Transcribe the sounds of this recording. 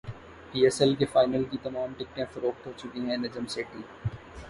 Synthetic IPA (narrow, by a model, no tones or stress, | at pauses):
piːɛsɛlk̬efaːɪnəlkit̪ɐmaːmʈɪk̚ʈẽfɐɾoːk̚t̪ɦot͡ʃʊkiɦɛ̃nɐd͡ʒəmseːʈĩ